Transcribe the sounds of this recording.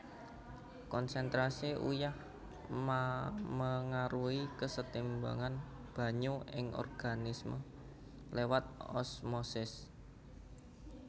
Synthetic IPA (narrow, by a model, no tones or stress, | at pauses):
kɔnsɛnt̪ɾasiʔṵjah | maməŋaɾuikəsət̪imba̰ŋan | b̥ä̤ɲuɪ̰ŋʔɔ̰rɡ̥anismə̰ | lewat̪̚ɔ̰smosɪs